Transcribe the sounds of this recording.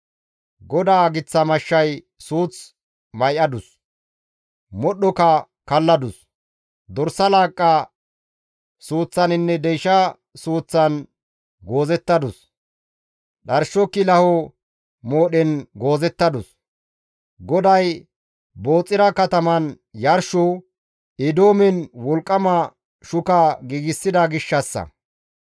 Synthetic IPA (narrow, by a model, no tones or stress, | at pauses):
ɡɔd̪aːɡɪt͡sːɐmɐʃːɐj | suːt͡s | mɐjʔɐd̪ʊs | mɔɗɔkɐ | kɐlːɐd̪ʊs | d̪ɔɾsɐlaːkʼːɐ | suːt͡sːɐnɪnːɛd̪ɛjʃɐ | suːt͡sːɐn | ɡo̞ːzɛt̪ːɐd̪ʊs | ɗɐɾʃɔkːɪlɐhɔ | moːɗɛnɡo̞ːzɛt̪ːɐd̪ʊs | ɡɔd̪ɐj | boːt͡sʼːɪɾɐkɐt̪ɐmɐn | jɐɾʃɔ | ɛd̪oːmɛnwɔlkʼːɐmɐ | ʃʊkɐɡiːɡɪsːɪd̪ɐɡɪʃːɐsːɐ̰